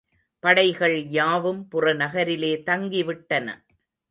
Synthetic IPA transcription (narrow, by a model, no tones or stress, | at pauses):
pɐɽɐɪɣɐɭjaːʋɯmpʊrɐnɐɣɐɾɪleːt̪ɐŋɡɪʋɪʈːɐnɐ̰